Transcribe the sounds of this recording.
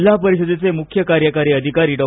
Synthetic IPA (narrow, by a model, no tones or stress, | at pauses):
lapəɾiɕəd̪et͡semukʰjəkaɾjəkaɾiːəd̪ʱikaɾiːɖɔ